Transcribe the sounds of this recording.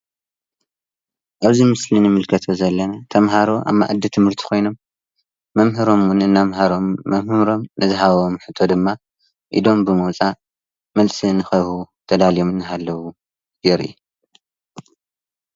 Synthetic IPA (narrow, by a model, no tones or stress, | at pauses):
ʔaβzimɨslinɨmɨlkʰɐt̪ʰozɐlːɐnat̪ʰɐmɦaɾo̞ʔa̰mːa̰ʕʔɨd̪ːit̪ʰɨmhɨɾt̪ʰi̥kʰo̞jno̞mː | ɐmɦɨɾo̞mwunɨnːamɦaɾomɐmhɨɾo̞mnɨzɨɦaββomħɨt̪ʰːo̞d̪ɨmːa | ʔḭd̪o̞mbɨmɐwt͡sʼa | mɐlsʼinɨxɐβhut̪ʰɐd̪alijomɨnɨɦalːɐwu | ɡeɾɨ̰ju